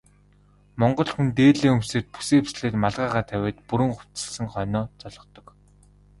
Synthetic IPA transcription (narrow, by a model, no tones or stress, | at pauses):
mɔɴɢɞ̆ɮxunt̪eːɮeːɵmseːt̪̚pu̥seːpsɮeːt̪maɮʁaːʁaːt̪ʰæwʲeːt̪puɾɘ̆ŋχʊ̥t͡sɘ̆ɮsɘ̆ŋχœnɔːt͡sɔɮɞ̆t̪ɞ̆k